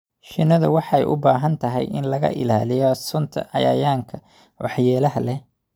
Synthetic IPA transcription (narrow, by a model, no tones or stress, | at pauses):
ʃɪnɐðɐ̰wɑħɑɛ̰jʔʊ̰baːɦɐnt̪ʰɐɦɛ̰jʔɪnlɐɣɐ̰ʔɪ̰laːlɪjɔsʊnt̪ʰɐ̰ʔɐjɐ̰jaːŋkʰɐ | wɑħjɛːlɐɦɐlɛ